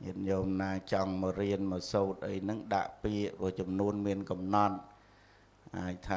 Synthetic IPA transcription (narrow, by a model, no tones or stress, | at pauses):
ɲiənjoːmnaːt͡ɕɑŋməːɾiənməːsoːt̪̚ʔəjnɨŋɗa̰ʔpiəʔpɨ̆ət͡ɕɑmnuənmiənkɑmnɑt̪̚ | ʔa̰əjt̪ʰaː